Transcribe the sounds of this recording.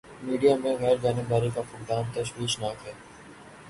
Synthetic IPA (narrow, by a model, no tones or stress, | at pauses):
miːɖijaːmẽɣɛːɾɡaːneɡaːɾikapʊkd̪aːmt̪əʃwiːʃnaːkɦɛː